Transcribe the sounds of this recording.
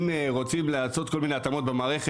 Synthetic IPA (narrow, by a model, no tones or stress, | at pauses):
meʁo̞t͡simleaso̞t̪ko̞lmine̞at̪amo̞t̪̚bemaːʁe̞χe